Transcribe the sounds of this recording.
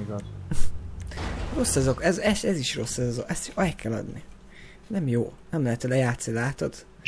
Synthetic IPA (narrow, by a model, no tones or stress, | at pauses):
iɡɒz | ro̞sːɛzokɛzɛʃɛziʃro̞sːɛzzoʔɛst̪ɒjkɛlɒ̰d̪ni | nɛmjoːnɛmlɛɦɛt̪ɛlɛjaːt̪snilaːt̪od̪̥